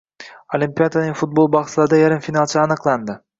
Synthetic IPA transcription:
olʲimpʲijad̪anɪŋʲfʊt̪̚bo̞lˠbɑχt̪lˠaɾɪd̪ajaɾɪmfinalˠt͡ʃʰaːnɨqlˠand̪ɪ

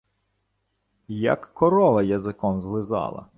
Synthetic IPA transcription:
jɐ̰kːɔɾɔʋɐjɐzɪkɔmzlˠɪzɑ̰lˠɐ̰

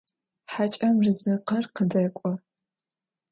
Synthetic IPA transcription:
ħat͡ʃʼɐmrɨzɨqɐrqədɐkʷʼɔ

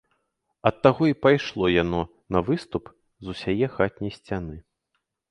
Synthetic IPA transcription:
ɐt̪ːaɣɔipajʂlˠɔjanɔ | nɐvɨst̪up | zusʲajɛxat̪̚ʲnʲɐjsʲt͡sʲanɨ

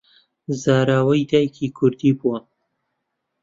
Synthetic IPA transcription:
zaːɾaːwɐjd̪aːjkʰikʰʊɾd̪iːbuwɐ

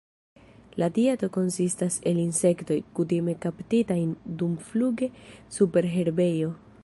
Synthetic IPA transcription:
latieto̞ko̞nsistase̞linse̞kto̞jkutime̞kaptitajndumfluɡe̞supe̞ɾɦe̞ɾbe̞jo̞

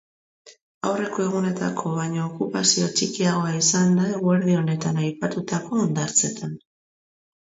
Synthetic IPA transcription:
awre̞ko̞e̞ɣ̞une̞t̪a̰kʰo̞β̞ajɲoːkupasio̞t͡ʃikiaɣ̞o̞aisand̪aeɣueɾð̞io̞ne̞t̪anajpat̪ut̪ako̞ːnd̪aɾt͡se̞t̪ʰan

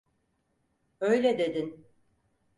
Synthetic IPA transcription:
øjlʲɛd̪e̞d̪in

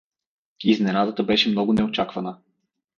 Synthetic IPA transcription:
iznɛnad̪ət̪əbɛʃɛmnɔɡʊnɛot͡ʃakvɐnə

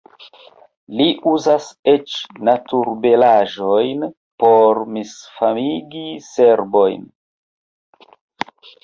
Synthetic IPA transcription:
liʔuzaset͡ʃnatuɾbe̞laʒo̞jn | po̞ɾmisfamiɡiseɾbo̞jn

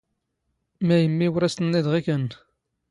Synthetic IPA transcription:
mæjəmːiwɾæst̪ənːiðʁikən

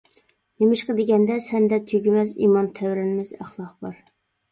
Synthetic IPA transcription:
nemɪʃqəd̪ɪɡʲɛnd̪ɛsɛnd̪ɛt̪ʰyɡʲimɛzimɑnt̪ʰɛwɾɪnɪmɪzæχlˠɑqbɑɾ

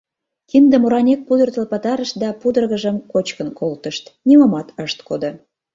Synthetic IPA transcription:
kind̪əmoɾɑnʲek̚ːud̪ərt̪əlpɑt̪ɑɾəʃ̚d̪ɑpud̪ərɣəʒəmkot͡ɕkənkolt̪əʃt̪nʲiməmɑt̪əʃt̪kod̪ŏ

